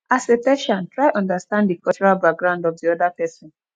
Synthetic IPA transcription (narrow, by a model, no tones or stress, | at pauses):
asetɛ̃ʃãntɹaɪʔɔ̃ndastãnddikɔlt͡ʃɔɹalbak̚ɡɹãʊ̃ndɔvdiɔdapɛsɔ̃n